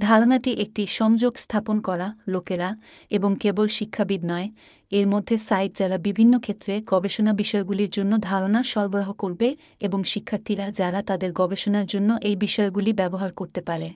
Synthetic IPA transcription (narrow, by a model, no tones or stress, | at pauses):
d̪ʱaɾonaʈiʔek̚ʈiʃɔŋd͡ʑoɡst̪ʰaponkɔɾalokeɾa | eboŋkebolʃikʰːabid̪nɔe | eɾmod̪ʱːesajʈd͡ʑɛɾabibʱinːokʰet̪ːɾeɡɔbeʃonabiʃɔeɡuliɾd͡ʑonːod̪ʱaɾonaʃɔɾboɾaɦokoɾbe | eboŋʃikʰːaɾt̪ʰiɾad͡ʑaɾat̪ad̪eɾɡɔbeʃonaɾd͡ʑonːoʔejbiʃɔeɡulibɛboɦaɾkoɾt̪epaɾe